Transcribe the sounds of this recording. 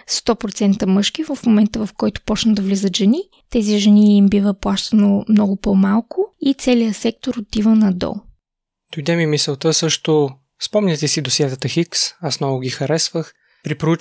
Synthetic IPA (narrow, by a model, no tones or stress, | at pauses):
st̪ɔpɾot̪sɛnt̪əmɤʃkivɐfmomɛnt̪əvɐfkɔjt̪ʊ̥pɔt͡ʃnəd̪ɐvlizət̪ʒɛni | t̪ɛziʒɛniːmbivəplˠaʃt̪ənomnɔɡʊpomalˠkʊit̪sɛlijəsɛk̚t̪oɾot̪ivənɐd̪ɔ̰ | d̪̥ojd̪ɛmimisɛlˠt̪əsɤʃt̪ʊ | spɔmnʲɐt̪ɛsid̪osiɛt̪ət̪əxiksasnɔvʊɡʲixɐɾɛsvəx | pɾipɾʊu